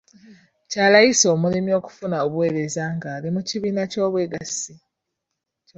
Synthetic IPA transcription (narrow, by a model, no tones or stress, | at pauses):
caːlajiso̞ːmulimio̞ːku̥funaoβuwe̞ɾe̞zaŋɡaːlimuciβiːnaco̞ːβwe̞ːɡasi